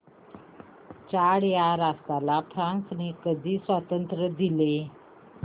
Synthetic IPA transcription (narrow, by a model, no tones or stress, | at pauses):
t͡ɕaɽjaɾast̪alafɾãnsnekəd̪ʱiːsʋat̪ənt̪ɾəd̪ile